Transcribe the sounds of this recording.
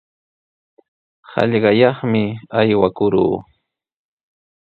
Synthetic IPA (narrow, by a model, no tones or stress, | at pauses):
hɑ̰ʎɢɑjɑχmɪajwakʊɾṵː